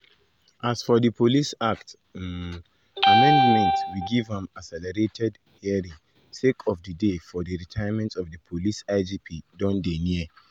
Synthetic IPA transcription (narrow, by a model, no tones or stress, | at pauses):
ʔasfɔdəpʰolisakt | amɛ̃ndmɛ̃ntwiɡivɛ̃masɛlɛɹetʰɛd | hɛɹi | sekʰɔfdədefɔdəɹitʰajəmɛ̃ntɔfdəpʰolisaɪd͡ʒipʰidɔ̃ndenɛ